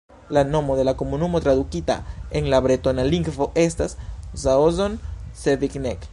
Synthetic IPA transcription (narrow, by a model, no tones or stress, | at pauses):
lanomoðelakomunumot̪ɾaðukit̪a̰eŋlaβɾet̪onaliŋɡfoʔest̪aszaozonseðiknek